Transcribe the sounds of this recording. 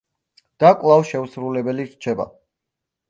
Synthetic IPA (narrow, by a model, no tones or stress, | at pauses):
d̪̥akʼwlˠavʃɛusɾulɛbɛliɾt͡ʃʰɛba̰